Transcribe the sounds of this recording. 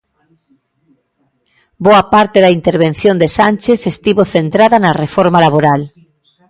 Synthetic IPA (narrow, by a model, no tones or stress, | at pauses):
boapaɾt̪eðɐint̪eɾβen̟θjond̪esanʲt͡ʃeθest̪iβoθent̪ɾaðanɐrefoɾmalaβoɾal